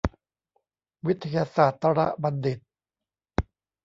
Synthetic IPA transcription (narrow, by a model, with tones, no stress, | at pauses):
wi˦˥t̪ʰːa˧jaː˧saː˨˩t̪ːa˧ɾa̰˦˥ʔba˧nde˨˩t̪̚